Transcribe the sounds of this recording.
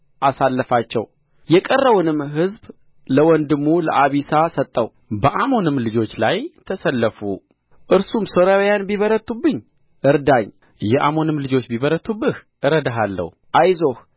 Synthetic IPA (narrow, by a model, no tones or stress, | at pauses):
ʔasalːəfat͡ʃːɛ̰w | jɛkʼərːəwunɨmɦɨzb | ləwɔnd̪ɨmːulə̰ʔaβisasət̪ʼːəw | bəʔamo̞nɨmlɨd͡ʒo̞t͡ʃːlajt̪ʰəsəlːəfu | ʔɨɾsumsoɾawjanbiβəɾət̪ʰːubːɨɲː | ʔɨɾd̪aɲ | jɛʔamo̞nɨmlɨd͡ʒo̞t͡ʃːbiβəɾət̪ʰːubːɨhʔɨɾəd̪aɦalːə̰h | ʔajzo̞h